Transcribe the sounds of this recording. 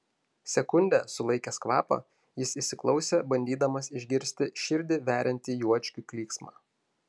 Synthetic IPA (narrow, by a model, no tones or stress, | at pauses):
sʲɛkʊnʲd̪ʲɛ̰sʊlˠɐɪkʲɛskʋɑ̰ːpɐ̰ | jɪsiʃʲsʲɪklˠɒʊsʲeːbɐnʲd̪ʲiːd̪ɐmɐsɪʒʲɡʲɪɾʲsʲt̪ʲɪʃʲɪɾʲd̪ʲɪʋʲæːɾʲɪnʲt̪ʲiːjuɔt͡ʃʲkʲuklʲiːksmɑ̰ː